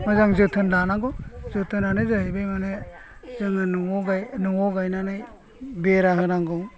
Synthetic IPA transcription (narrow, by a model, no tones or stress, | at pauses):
mazaŋzɯtʰɯnlanaŋɡɔzɯtʰɯnanɯjzɯɦɯjbejmanɯ | zɯŋɯnuɔɡajnɯŋɔɡajnanɯj | beɾaɦɯɾaŋɡɔŋ